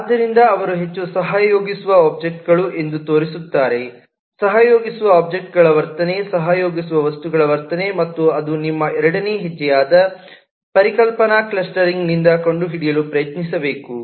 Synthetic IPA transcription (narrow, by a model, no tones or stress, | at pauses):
aːd̪ːɐɾind̪ɐːʋɐɾuɦe̞t͡ʃːusɐɦaːɐjoːɡisuʋɐaːp̚d͡ʒek̚ʈ̚ɡɐɭuʔe̞nd̪ut̪o̞ːɾisut̪ːaːɾe̞ | sɐɦɐjo̞ːɡisuʋɐaːp̚d͡ʒek̚ʈɡɐɭɐʋɐɾt̪ɐne̞sɐɦajo̞ːɡisuʋɐʋɐst̪uɡɐɭɐʋɐɾt̪ɐne̞mɐt̪ːuɐd̪unimːɐɛɾɐɽɐneɦed͡ʒːɛjaːd̪ɐ | pɐɾikɐlpɐnɐklɐsʈɐɾiŋɡnind̪ɐko̞ɳɖuɦiɽijɐlupɾɐjɐt̪nisɐbe̞ːku